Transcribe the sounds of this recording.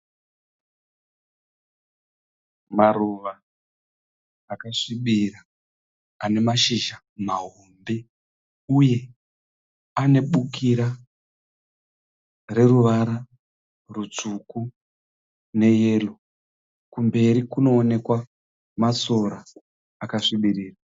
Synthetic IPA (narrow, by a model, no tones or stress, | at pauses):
maɾuʋa | kaʂiɓiraː | ne̞maʃiʒa | maɦombe̞ | uje̞ | ane̞ɓukiɾa | re̞ruʋaɾa | rut͡suku | ne̞je̞ːlo | kumbe̞ɾikuno̞ːne̞kwa | maso̞ɾaː | kaʂiɓiriːra